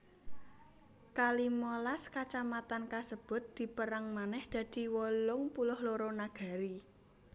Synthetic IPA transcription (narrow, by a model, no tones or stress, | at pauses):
kalimɔlaskat͡ʃamat̪ankasəb̥ʊ̤t̪̚d̪̥i̤pəɾaŋmanɛhd̪̥a̤d̪̥i̤wɔlʊŋpulʊhloɾɔnaɡ̥a̤ɾi